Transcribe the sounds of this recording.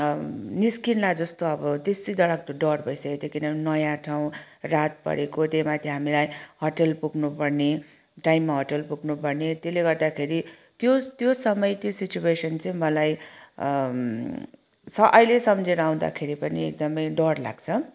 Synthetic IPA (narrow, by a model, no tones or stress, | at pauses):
niskinlad͡zʌst̪oʌbʌt̪est̪id̪ʌɽʌk̚t̪oɖʌrbʱʌjsʌket̪ekinʌnʌjãʈʰaw̃ | rat̪̚pʌ̰ɾekot̪ejmat̪ʰjeɦamilajhʌʈelpuɡnupʌrne | ʈajmːaɦʌʈelpuɡnupʌrnet̪eleɡʌrd̪akʰeɾi | t̪jot̪josʌmʌjt̪isit͡ɕuesʌnt͡sʌĩmʌlaj | sʌʔʌjlesʌmd͡zeɾaw̃d̪a̰kʰeɾipʌniḛk̚d̪ʌmʌjɖʌrla̰ɡt͡sʰʌ